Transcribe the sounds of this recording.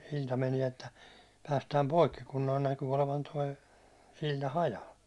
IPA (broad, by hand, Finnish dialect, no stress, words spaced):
silʲtɑ meniɛ etːæ pæːstæːm poikːi kun noi næky oleʋɑn toi silʲtɑ hɑjɑl